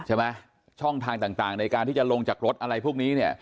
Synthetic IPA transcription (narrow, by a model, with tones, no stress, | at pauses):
t͡ɕʰa˥˩ma˦˥ | t͡ɕʰɔ˥˩ŋt̪ʰaː˧ŋt̪aː˨˩ŋt̪aː˨˩ŋna˧jkaː˧nt̪iː˥˩t͡ɕa˨˩lo˧ŋt͡ɕaː˨˩k̚ɾo˦˥t̪̚ʔa˧ɾa˧jpʰu˥˩k̚niː˦˥ni˥˩ɐ